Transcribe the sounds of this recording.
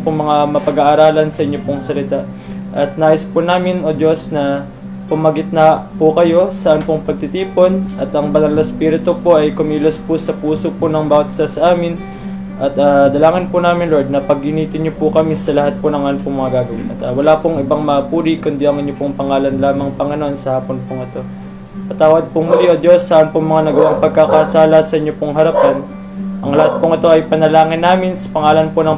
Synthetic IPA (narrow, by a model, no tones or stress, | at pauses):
poŋmɐŋamɐpɐɡaːʔːɾaːlɐnsɐʔɪɲːopoŋsɐlɪt̪aʔ | ʔɐt̪̚naːjɪspʊnaːmɪnʔod̪o̞snɐ | pʊmɐɡɪt̪̚nɐpʊkɐjo̞sɐʔanpoŋpɐɡ̚t̪it̪iːpo̞nʔɐt̪ʔɐŋbɐnɐlnɐspiːɾɪt̪opoʔɐjkomiːlospʊsɐpuːsoponɐŋbaːwt̪sɐsɐʔaːmɪn | ʔɐt̪ad̪ɐlaːŋɪnpʊnaːmɪnloɹd̪̚nɐpɐɡ̚hɪniːt̪ɪɲɲopʊkɐmisɐlɐɦat̪̚ponɐŋʔanpʊŋmɐŋaɡaːɡɐwɪnʔɐt̪awɐlaːpʊŋɪbaŋmɐɐpuːɾikʊnd̪iʔɐŋʔɪnɲjopʊŋpɐŋaːlɐnlaːmɐŋpɐŋɪnoʔonsɐhaːponpʊŋɪt̪o̞ | ɐt̪aːwɐd̪̚pʊŋmɐjod̪jo̞sːɐʔɐnpʊŋmɐŋanɐɡɐwaŋpɐɡ̚kakɐsaːlɐsɐʔɪɲːopʊŋɦɐɾɐpan | ʔɐŋlɐhat̪̚pʊŋɪt̪o̞ʔɐjpɐnɐlaːŋɪnːaːmɪnsɐ̥pɐŋaːlɐnponɐŋ